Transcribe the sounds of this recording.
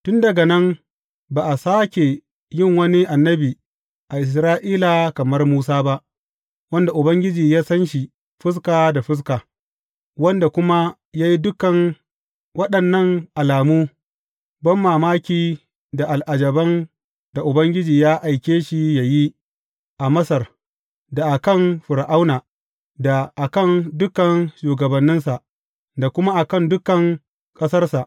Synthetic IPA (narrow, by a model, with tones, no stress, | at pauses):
tʊ˦ndɐ˨ɡɐ˨nɐ˦m | baː˨ʔa˨saː˦kʲe˨ | jɪ˦˨ŋwɐ˦ni˦ʔa˨nːɐ˦biː˨ | ʔa˨ʔɪ˨s̬ɾaː˦ʔiː˦la˨kɐ˨mɐ˦rmuː˦saː˦ba˦ʔ | wɐ˦nda˨ʔʊ˨bɐ˦ŋɡʲɪ˦d͡ʒiː˨jaː˦sɐ˦nʃi˨ | ɸɪ˦s̬kaː˨da˨ɸɪ˦s̬kaː˨ | wɐ˦nda˨kʷʊ˦ma˦ | jaː˦ji˦dʊ˦kɐ˨ŋ | wɐ˦ɗɐ˨nːɐ˦ŋʔa˨laː˨muː˦ | bɐ˦mːaː˨maː˦kʲiː˨ | da˨ʔa˨lʔa˨d͡ʒɐ˨bɐ˦n | da˨ʔʊ˨bɐ˦ŋɡʲɪ˦d͡ʒiː˨jaː˦ʔa˨jkʲeː˦ʃi˨ja˨ji˦ | ʔa˨mɐ˦sɐ˨r | da˨ʔa˨kɐ˦˨nɸʊ˨ɾa˨ʔa˦wnaː˨ | da˨ʔa˨kɐ˦˨ndʊ˦kɐ˨nʃuː˨ɡɐ˨bɐ˨nːɪ˦nsa˨ʔ | da˨kʷʊ˦ma˦ʔa˨kɐ˦ndʊ˦kɐ˨ŋ | kʼɐ˦sɐ˦rsa˨ʔ